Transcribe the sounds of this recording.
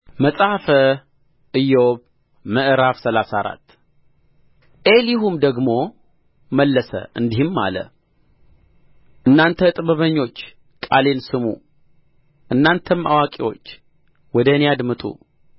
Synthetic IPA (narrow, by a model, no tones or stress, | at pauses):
məsʼahfə | ɨjːɛoβ | məʔɨɾafsəlasaɾa̰t̪ː | ʔelihumd̪əɡmo̞ | məlːəsə̰ʔɨnd̪ihɪmːa̰lə̰ | ʔɨnːant̪ʰət̪ʼɨβəβəɲːo̞t͡ʃː | kʼale̞nsɨmṵ | ʔɨnːant̪ʰəma̰wakʼiwo̞̰t͡ʃː | wɔd̪ənejad̪mɨt̪ʼṵ